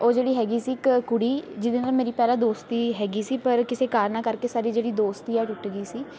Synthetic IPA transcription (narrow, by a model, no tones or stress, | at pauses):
oːd͡ʒeːɽiːɦɛːɡiːsiːkkʊɽiːd͡ʒɪd̪eːnaːmeːɾiːpɛːlãːd̪oːst̪iːɦɛːɡiːsiːpəɾkɪseːkaːɾnãːkəɾkeːsaːɾiːd͡ʒeːɽiːd̪oːst̪iːɛːʈʊʈːɡiːsiː